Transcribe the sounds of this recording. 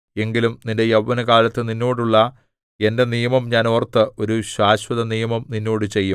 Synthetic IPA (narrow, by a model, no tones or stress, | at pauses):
e̞ŋɡilumninde̞jɐʋʋːɐnɐkaːlɐt̪ːɨninːoːɽuɭːɐ | e̞ndenijɐmɐmɲaːnoːrt̪ːɨo̞ɾuɕaːɕwɐðɐnijɐmɐmninːo̞ːɽɨt͡ɕe̞jːum